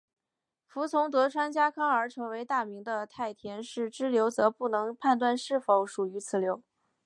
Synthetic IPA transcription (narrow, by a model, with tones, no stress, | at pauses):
fu˧˥t͡sʰʊ˧˥ŋt̪ɤ˧˥ʈ͡ʂʰwa˥nt͡ɕja˥kʰɑ˥ŋə˞˧˥ʈ͡ʂʰɤ˧˥ŋwe˧˥ɪt̪a˥˩mi˧˥ŋd̪ə˧t̪ʰa˥˩ɪt̪ʰjɛ˧˥nʂɻ̩˥˩ʈ͡ʂɻ̩˥ljo˧˥ʊt͡sɤ˧˥pu˥˩nɤ˧˥ŋpʰa˥˧nt̪̬wa˥˧nʂɻ̩˥˩fo˧˥ʊʂu˨˩y˧˥t͡sʰɹ̩˨˩ljo˧˥ʊ